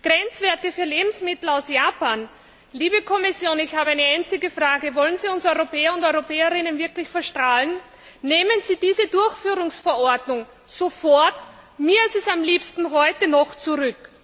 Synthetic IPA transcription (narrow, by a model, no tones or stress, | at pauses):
ɡ̥ʁɛnt͡sv̥eːɐtəfyːɐleːbm̩smɪtl̩aʊsjaːpaːn | liːbəkʰɔmɪsjoːnɪçhaːbəaɪnəaɪnt͡sɪɡəfʁ̥aːɡəvɔlənziːʊnsɔʏʁopʰɛːɐʊntɔʏʁopɛːɐʁɪnənvɪɐklɪçfɛɐʃtʁ̥aːlən | neːmənz̥iːd̥iːzədʊɐçfyːʁʊŋsfɛɐɔɐdnʊŋ | z̥ofɔɐt | miːɐɪstɛsamliːpstn̩ɦɔʏtənɔχt͡suʁʏk